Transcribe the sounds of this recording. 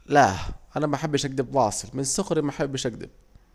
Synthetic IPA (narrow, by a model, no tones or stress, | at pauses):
laʔanæmaħabːɪʃʔaɡ̚d̪ɪbwɑːsˤɨlmɪnsːʊxɾimaħabːɪʃʔaɡd̪ɪ̰b̚